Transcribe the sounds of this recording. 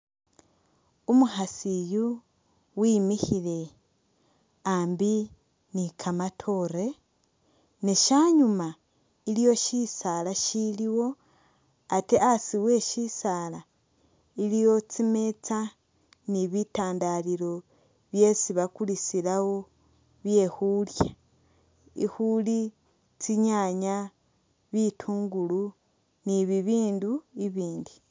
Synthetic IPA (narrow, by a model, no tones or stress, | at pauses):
umuhasiju | wiːmihile̞ | aːmbi | nikʰamatʰo̞ɾe̞ | neʃaːɲuma | ilijo̞ʃisalaʃiliwo̞ | ate̞ʔasiwe̞ːʃisaːla | ilijo̞t͡sime̞t͡sa | niβitaːndaliɾo̞ | βje̞siβakulisilawo̞ | βje̞xulja | ḭxuli | t͡siɲaɲa | βitʰuːŋɡulu | niβiβiːnduiβiːndi